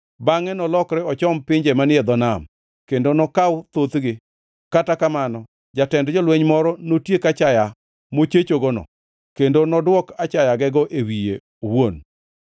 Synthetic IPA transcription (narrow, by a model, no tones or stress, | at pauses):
baŋɛnɔlɔkɾɛɔt͡ʃɔmpɪɲd͡ʒemanɪɛd̪ɔnam | kendonɔkawʊt̪ot̪ɡɪ | katakamanɔ | d͡ʒatɛndd͡ʒɔlwɛɲmɔɾɔnotjekat͡ʃaja | mot͡ʃet͡ʃoɡɔnɔ̰ | kendonɔdwɔkat͡ʃajaɡɛɡɔʔewijḛ | owon